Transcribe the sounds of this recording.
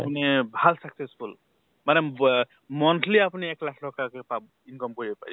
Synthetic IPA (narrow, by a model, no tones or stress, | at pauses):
pnebʱalsəksespʰul | mane | mɔnʈʰliapneeklakʰlɔkakepa | inkʌmɡɔɾiepa̰j